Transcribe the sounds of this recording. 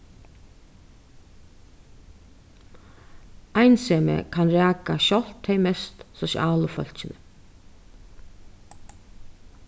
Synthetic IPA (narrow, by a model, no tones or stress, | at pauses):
ajnseːmə̰kʰanɾæːkaʃɔl̥t̪ʰːeɪmɛst̪sɔʃj̰ʔaːləfœ̰l̥t͡ʃɪnə